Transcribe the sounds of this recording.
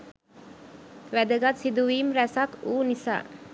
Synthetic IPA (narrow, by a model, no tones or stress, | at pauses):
ʋæd̪əɡat̪sid̪uʋiːmɾæsat̪uːnisa̰ː